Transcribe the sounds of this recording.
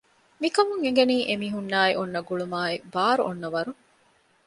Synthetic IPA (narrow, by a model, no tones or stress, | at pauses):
mikɐmuŋeŋɡeniːʔemiɦunːaːiʔonːɐɡuɭumaːibaːɾuʔonːɐʋɐɾu